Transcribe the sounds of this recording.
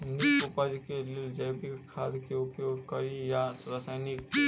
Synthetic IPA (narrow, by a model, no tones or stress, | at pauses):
nɪkʊpəd͡ʒkelɪld͡ʒəjbikʰaːd̪keʊpjoɡkəɾijaɾasaɪnɪk